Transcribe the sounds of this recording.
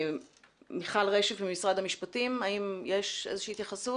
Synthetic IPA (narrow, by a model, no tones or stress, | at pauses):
miχalʁeʃevbimisʁad̪hamiʃpatimaimjeʃʔezeʃiːhːt̪jaχasu